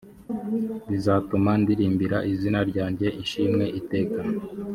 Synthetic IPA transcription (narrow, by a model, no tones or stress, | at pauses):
βizaːtumandiɾiːmbiɾaʔizinaɾɟaːɲɟe̞ʔiʃimŋe̞ʔite̞ːka